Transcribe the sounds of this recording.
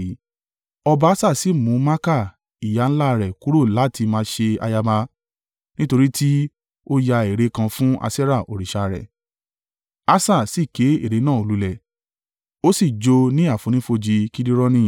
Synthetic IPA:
ɔ˧ba˧˦sa˦˨si˨˦˨mũ˨˦mã˦ka˦˨ | i˨ja˨˦n̩˦la˦˧ɾɛ˨ku˦ɾo˦˨la˨˦ti˧mã˧ʃe˧a̰˧ja˧ba˧ | nĩ˦to˧ɾi˦ti˦ | o˦ja˧e˨ɾe˨˦kã˧fũ˦a̰˧sɛ˦ɾa˦˨ʔo˨ɾi˨ʃa˧˨ɾɛ̰˨ | a˦sa˦˨si˦˨ke˨˦e˦˨ɾe˨˦nãː˦˨o˨˧lu˦lɛ˦˨ | o˦si˦˨d͡ʒo˧nĩ˦a˦˨fũ˨˦nĩ˨˦fo˧d͡ʒi˧ki˦di˦ɾɔ˦nĩ˦˨

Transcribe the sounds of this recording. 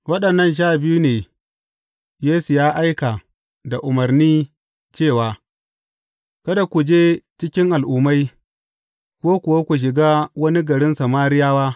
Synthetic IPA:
wɐ˦ɗɐ˨nːɐ˦˨nʃ̬aː˦˨bɪ˦ju˦neː˨ | jeː˦su˨jaː˦ʔa˦jka˨ | da˨ʔʊ˨mɐ˨ɾniː˦ | t͡ʃeː˦˨waː˨ | kɐ˦da˨kʷu˨d͡ʒeː˦t͡ʃɪ˦kʲɪ˦ŋʔa˨lʔuː˨ma˦j | kʷoː˦kʷʊ˨wa˦kʷu˨ʃ̬ɪ˨ɡa˦wɐ˦ni˦ɡɐ˨ɽɪ˦nsɐ˨maː˦ɾɪ˦jaː˦waː˦

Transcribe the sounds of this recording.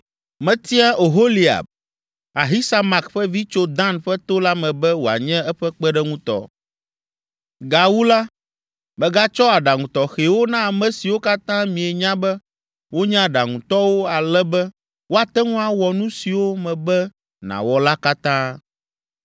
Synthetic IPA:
mɛ̃˨t̪i˦a˦ʔo˨ɦo˦li˨a̰˨b̚ | a˨ɦi˦sa˦ma˨kɸɛ˦vi˦t͡ʃo˦d̪ã˦nɸɛ˦t̪o˦la˦mɛ̃˨bɛ˦wo˨a̰˨ɲɛ̃˦ɛ˦ɸɛ˦k͡pɛ˦ɖɛ˦ŋũ˦t̪ɔ̰˨ | ɡa˨wu˦la˦ | mɛ̃˨ɡa˦t͡ʃɔ˦a˨ɖa˨ŋũ˨t̪ɔ˨xe˨wo˦nã˦a˨mɛ̃˨si˨wo˦ka˦t̪ã˦mĩ˨e˨ɲã˦bɛ˦ | wo˦ɲã˦ɖa˨ŋũ˨t̪ɔ˦wo˦a˨lɛ˦bɛ˦ | wo˦a˨t̪ɛ˦ŋũ˦a˨wɔ˨nũ˦si˨wo˦mɛ̃˨bɛ˦ | nã̰˨wɔ˨la˦ka˦t̪ãː˦

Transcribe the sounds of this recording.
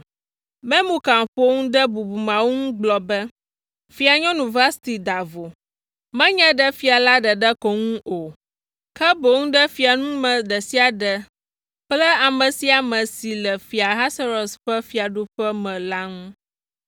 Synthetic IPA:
mɛ̃˦mũ˨ka˨ŋ˨ɸo˦ŋũ˦ɖə˦bu˨bu˨mã˨wo˦ŋũ˦ɡ͡blɔ˨bɛ˦ | fi˨˦a˨ɲɔ̃˦nũ˨va˦st̪i˨d̪a˨vo˨ | mɛ̃˦ɲɛ̃˦ɖɛ˦fi˨a˨la˦ɖə˨ɖə˦kɔ˨ŋũ˦ʔo˨ | kɛ˦bo˨ŋũ˦ɖɛ˦fi˨a˨nũ˦mɛ̃˨ɖə˨si˦a˨ɖə˨ | k͡plɛ˦a˨mə̃˨si˦a˨mə̃˨si˨lɛ˨fi˨a˨ɦa˦sa˦ɾo˨sɸɛ˦fi˨a˨ɖu˦ɸɛ˦mɛ̃˨la˦ŋũ˦

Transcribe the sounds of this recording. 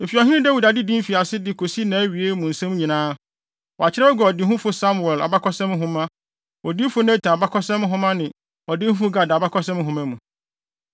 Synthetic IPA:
m̩˨fi˨ɔ˨ɦɪ̃˦ɪ̃˦dæ˦wu˨da˨dɪ˦dĩ˦m̩˦fi˨a˨sɪ˦dɪ˦kʰo˨si˦nã˨˦ɥi˨e˦mũ˨n̩˨sɛ̃˦m˦ɲĩ˨nãː˦ | wɔ˨a˨t͡ɕʰɪ˦ɾɛ˦ɔ˦ɡɔ˨ɔ˨dɪ˦ɦʊ̃˦fʊ˦sa˦mu˨ɛ˨la̰˨ba˦kʰɔ˦sɛ̃˦m˦ɦʊ̃˦mã˦ | ɔ˨di˦fʊ˦nɛ̃˦tʰã˨ba˦kʰɔ˦sɛ̃˦m˦ɦʊ̃˦mã˦nɪ̃˨ | ɔ˨dɪ˦hʊ̃˦fʊ˦ɡa˨da˨ba˦kʰɔ˦sɛ̃˦m˦ɦʊ̃˨mã˦mũ˨

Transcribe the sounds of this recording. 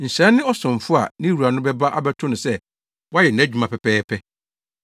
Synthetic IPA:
n̩˨ɕɛ̃˦nːɪ̃˦ɔ˦sʊ̃˨ɱ˨fʊ˦a̰˨nɪ̃˦u˨a˨nʊ̃˦bɛ˦ba˦ʔa˦˨bɛ˦tʰʊ̃˦nʊ̃˨sɛ˦ | wa˦jɛ˨n̩˨æ̃˦d͡ʑᶣu˨mã˨pʰɛ˨pʰɛː˦pʰɛ˦

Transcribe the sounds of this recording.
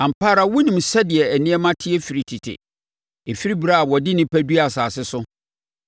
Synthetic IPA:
ã˨m̩˨pʰaː˦ɾa˨wʊ˦nĩ˨msɛ˦dɪ˨ɛ˨æ˨nɪ̃˦ɛ˦mã˦tʰɪ˦ɛ˦fi˨ɾi˨tʰi˨tʰɪ̰˨ | e˨fi˦ɾi˦bi˨ɾa˦a˨wɔ˨dɪ˦nɪ̃˦pʰæ˦du˦a˨saː˨sɪ˦sʊ˦

